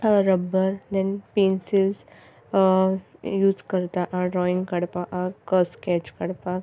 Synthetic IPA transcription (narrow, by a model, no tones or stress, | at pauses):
aɾəbːəɾd̪ɛnpensilz | juːzkəɾt̪aʔãɖɾɔĩŋɡkəɽpaʔakəskɛt͡ʃkəɽpak